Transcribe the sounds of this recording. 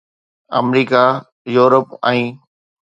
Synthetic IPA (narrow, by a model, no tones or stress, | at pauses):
ə̰mɾiːka | juːɾəpɛ̃ː